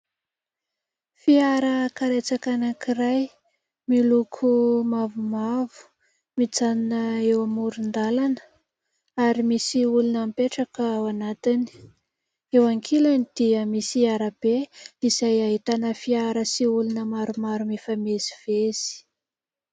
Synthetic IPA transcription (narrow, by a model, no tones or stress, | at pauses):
fiaɾəkaɾet͡sakanakiraj | milukʰumavumavu̥ | mit͡saninəewamuɾund̪alanə̥ | aɾimisiulunəmpeʈ͡ʂakəwanat̪ini̥ | ewaŋkʰilanid̪̥iəmisiaɾab̥eizajaɦit̪anəfiaɾəsiulunəmaɾumaɾumefameziv̥ez̥i̥